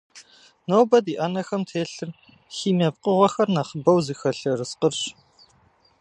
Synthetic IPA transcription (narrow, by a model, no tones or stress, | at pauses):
nowbɐdiːʔɐnɐxɐmtʰeːɬɨr | xiːmɐp̚qʼəʁʷɐxɐrnɐχəbɐwzɨxɐɬɐrɨsqərɕ